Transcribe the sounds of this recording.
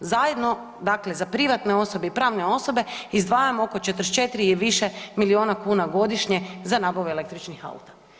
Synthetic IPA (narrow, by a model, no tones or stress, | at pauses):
zajed̪no̞ | d̪akle̞zapɾiʋat̪ne̞o̞so̞beipɾaːʋne̞o̞so̞be̞izd̪ʋaːjamooko̞t͡ʃet̪ɾ̩st͡ʃet̪ɾiiʋiʃemilioːnakuːnaɡo̞d̪iʃɲe̞zanabaʋele̞k̚t̪ɾit͡ʃnixa̰ṵt̪ḁ